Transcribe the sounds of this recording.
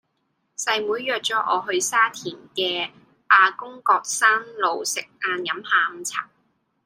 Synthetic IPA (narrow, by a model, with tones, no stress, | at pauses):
sɐ˧jmuː˨˥jːœː˨k̚t͡sɔː˨˥ʔɔ̰ː˨˧ɦɵ˧ɥsaː˥t̪ʰiː˨˩nkɛː˧ | ʔaː˨˧kʊ˥ŋkɔː˧k̚saː˥nlo˨˧wsɪ˨k̚aː˧njɐ˨˧˥mhaː˨˧m̩˨˧t͡sʰa̰ː˨˩ŋ